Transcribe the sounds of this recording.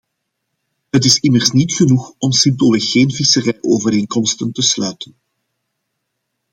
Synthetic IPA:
ɦətɪsɪmərsnitxənuxɔmsɪmpoləxeːnvisərɛjʔoːvəɾeːnkɔmstəntəslœɥtən

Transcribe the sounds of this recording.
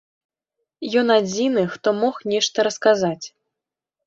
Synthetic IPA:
jɔnad͡zʲinɨxt̪ɔmɔxnʲɛʂt̪ɐɾɐskazat͡sʲ

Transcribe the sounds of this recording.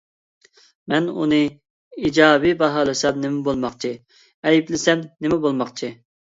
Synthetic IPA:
mɛnṵnɨ | id͡ʒɑːbibɑɦɑːlˠɨsɑnnɪmɪbolˠmɑχt͡ʃʰɨ | ɛjiplɪsɛmnɪmɛbolˠmɑχt͡ʃʰi

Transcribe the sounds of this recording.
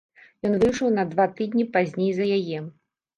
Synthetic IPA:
jɔnvɨjʂɔwnɐd̪vat̪ɨd̪ʲnʲipazʲnʲejzɐjajɛ

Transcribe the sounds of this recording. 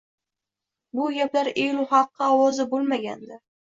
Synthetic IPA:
bʊɡʲaplaɾejlʊχɑqʰːɨɒwɒzɪbolˠmaɡʲa̰nd̪ɪ

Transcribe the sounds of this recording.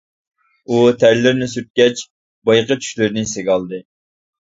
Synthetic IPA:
ut̪ʰæɾlɪɾnɪsyt̪̚kʲɛt͡ʃ | bɑjqət͡ʃʰy̥ʃlɪɾnɪseɡʲɑlˠd̪ɨ

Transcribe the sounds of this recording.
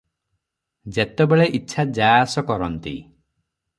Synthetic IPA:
d͡ʒet̪ebeɭeʔitːt͡ʃʰad͡ʒasɔkɔɾɔnt̪ḭ

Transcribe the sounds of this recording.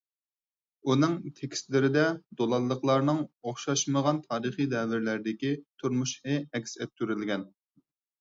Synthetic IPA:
unɨŋt̪ʰekʲʰi̥st̪lɪɾɪd̪ɛd̪olˠɑlˠːəqlˠɑɾnɨŋoχʃɑʃməʁɑnt̪ʰɑːɾɨχid̪ɛvɪɾlæɾɪd̪ɪkʲit̪ʰuɾmuʃχɨɛkʲsɛp̚t̪ʰːyɾɪlɡʲɛn

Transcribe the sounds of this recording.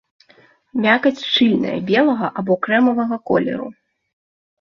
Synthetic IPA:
mʲakɐt͡sʲt͡ʂɨlʲnɐ̰jɐ̰bʲɛlˠɐɣɐ̰ʔabɔkɾɛmɐvɐɣɐkɔ̰lʲɛ̰ɾṵ

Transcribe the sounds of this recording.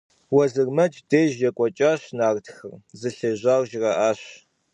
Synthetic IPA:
wɐzɨrmɐt͡ʃʼdeːʒjɐkʷʼɔt͡ʃʼaːɕnaːrtʰxɐrzɨɬɐʑʷaːwʒirɐʔaːɕ

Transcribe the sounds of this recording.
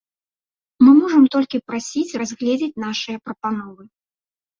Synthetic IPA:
mɨmɔʐɐmt̪ɔlʲkʲipɾasʲit͡sʲrazʲɣlʲɛd͡zʲet͡sʲn̪aʂɨjɐpɾɐpanɔvɨ

